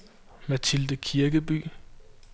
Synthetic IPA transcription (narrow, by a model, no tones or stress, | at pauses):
mæt͡sʰild̥əkʰiɐɡ̥əb̥y̰ː